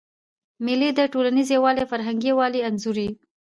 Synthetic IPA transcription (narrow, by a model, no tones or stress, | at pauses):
mɪlid̪əʈolanizewɑlefaɾɦaŋɡewɑlianzuɾi